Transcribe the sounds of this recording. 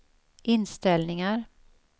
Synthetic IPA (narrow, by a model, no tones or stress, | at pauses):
ʔɪnst̪ɛlnɪŋaɾ